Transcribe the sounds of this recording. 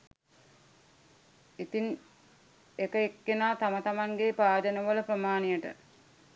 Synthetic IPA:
it̪in | ekəekːenaːt̪amət̪amaŋɡepaːd̪ənəʋələpɾəmaːnijəʈə̰

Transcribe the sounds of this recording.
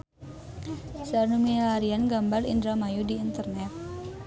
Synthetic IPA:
sarnumilaɾianɡambalḭnd̪ɾamajudiːnt̪ərnɛt̪̚

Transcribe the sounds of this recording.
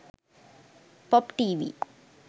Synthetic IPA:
pɔpʈiːʋḭ

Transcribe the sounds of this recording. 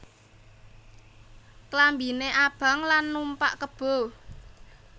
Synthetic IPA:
klambineʔab̥a̤ŋlanːumpaʔkəb̥o̤

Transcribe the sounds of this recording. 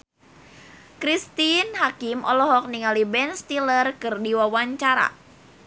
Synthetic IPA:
kɾist̪inɦakimʔɔ̰lɔɦɔk̚niŋalibɛnst̪ilərkɨrdiwawaɲt͡ʃaɾa̰

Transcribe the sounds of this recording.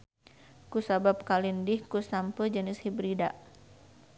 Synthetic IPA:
kusabap̚kalindɪhkusampəd͡ʒənɪshibɾidaʔ

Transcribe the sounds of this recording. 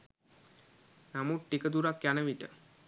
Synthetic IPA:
namuʈʈːikəd̪uɾakːjanəmiʈə̰

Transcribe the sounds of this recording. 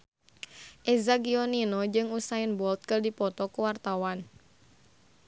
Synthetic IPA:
ʔezaɡiɔninɔd͡ʒɨŋusaɪnbɔlt̪̚kərdipɔt̪ɔkuwart̪awan

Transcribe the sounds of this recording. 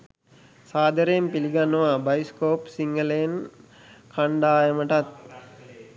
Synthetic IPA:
saːd̪ʱəɾejmpiliɡanːəʋaːbajskoːpsiŋɡəlejn | kʰaɳɖaːjəməʈat̪̚

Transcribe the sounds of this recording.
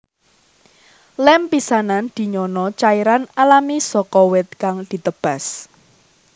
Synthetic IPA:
lɛmpisanand̪̥i̤ɲɔnɔt͡ʃaiɾanalamisɔkɔwɪt̪̚kaŋd̪̥i̤t̪əb̥a̤s

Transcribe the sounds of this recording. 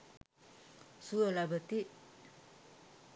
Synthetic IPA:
suəlabət̪iʔ

